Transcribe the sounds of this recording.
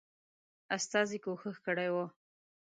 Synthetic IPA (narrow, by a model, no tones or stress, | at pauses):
ast̪ɑzikoxəxkəɽajwo